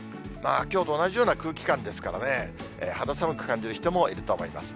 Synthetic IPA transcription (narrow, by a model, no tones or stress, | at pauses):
maːkʲo̞ːt̪o̞ːnaʑijo̞ːnakɯ̟ːkʲi̥kãnd̪e̞sɨ̥kaɾane̞ḛːhad̪osamɯ̟kɯ̟̥kãɲ̟d͡ʑiɾɯ̟çi̥t̪o̞mo̞iɾɯ̟t̪o̞ːmo̞ima̰sɨ̥